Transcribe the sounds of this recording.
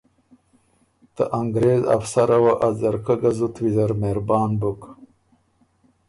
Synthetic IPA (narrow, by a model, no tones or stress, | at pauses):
t̪ə̰ʔaŋɡɾeːza̰fsaɾɐwaʔazɐɾkɐɡɐzut̪wizɐɾmeɾbɑːnbuk